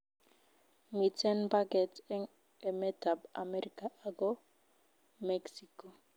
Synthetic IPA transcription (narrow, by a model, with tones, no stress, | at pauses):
mi˨tɛ˦npa˦ɡɛ˨tɛ˦ŋ | ɛ˨mɛ˦ta˨ba̰˨mɛɾikaʔaɡɔ | mɛksiko˨